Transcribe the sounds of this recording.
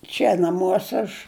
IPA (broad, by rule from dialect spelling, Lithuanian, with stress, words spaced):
ˈt͡ʃʲɛ nɐˈmuɔsʲɛ ɐʃ